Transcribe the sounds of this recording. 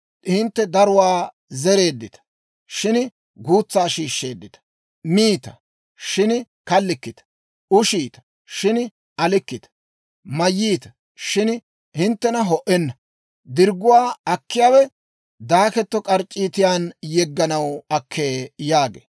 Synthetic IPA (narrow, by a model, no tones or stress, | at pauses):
hɪnt̪ːɛd̪ɐɾʊwaː | zɛɾe̞ːd̪ːɪt̪ɐ̥ | ʃɪn | ɡuːt͡sːaːʃiːʃːe̞ːd̪ːɪt̪ɐ̥ | miːt̪ɐ̰ | ʃɪn | kɐlːɪkːɪt̪ɐ̥ | ʊʃiːt̪ɐ̥ | ʃɪn | ʔɐlɪkːɪt̪ɐ̥ | mɐjːiːt̪ɐ̥ | ʃɪn | hɪnt̪ːɛnɐɦɔʔɛnːɐ | d̪ɪɾɡʊwaːɐkːɪjaːwɛ | d̪aːkɛt̪ːɔkʼɐɾt͡ʃʼːiːt̪ɪjaːnjɛɡːɐnɐwɐkʰːeːjaːɡḛː